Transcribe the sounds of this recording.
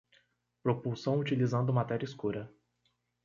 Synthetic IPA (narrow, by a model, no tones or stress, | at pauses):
pɾopuwsɐ̃w̃ut͡ʃilizɐ̃nd̪ʊmat̪ɛɾʲjɐiskuɾɐ